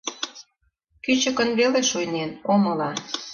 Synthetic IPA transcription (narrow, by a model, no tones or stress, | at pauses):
kyt͡ɕə̆kə̆nβeleʃujnenomɤ̆lɑ